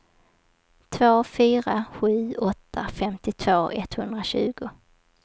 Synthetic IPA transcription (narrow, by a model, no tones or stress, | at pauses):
t̪ʰvoːfyːɾaɧʉ̟ːɔt̪ʰːafɛmt̪ɪt̪ʰv̥oːʔɛt̪hɵnd̪ɾaɕʉ̟ːɡʊ